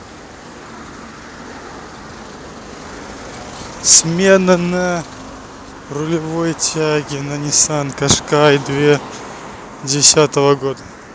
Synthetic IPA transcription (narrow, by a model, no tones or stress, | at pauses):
smʲenənə | rʊlʲɪvojtʲaɡʲɪnɐnʲɪsankɐʂkajd̪vʲe | dʲɪsʲat̪əvəɡod̪ə